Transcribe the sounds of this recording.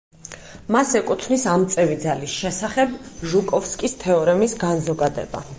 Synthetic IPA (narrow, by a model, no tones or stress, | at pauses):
masɛkʼut̪ʰnisamt̪sʼɛvid̪zalisʃɛsaχɛbʒukʼɔfskʼist̪ʰɛɔɾɛmisɡanzɔɡad̪ɛ̰ba̰